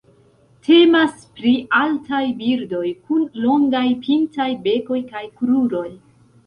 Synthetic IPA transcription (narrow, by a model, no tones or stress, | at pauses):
tʰe̞maspɾiʔaltajbiɾdo̞jkunlo̞ŋɡajpʰintajbe̞ko̞jkajkɾuɾo̞j